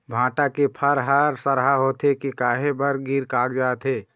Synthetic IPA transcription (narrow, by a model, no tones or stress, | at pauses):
bʱãːʈakepʰəɾɦaɾsəɾɦaɦoːt̪ekekaːɦebəɾɡiɾkaːɡd͡ʒaːt̪ɦeː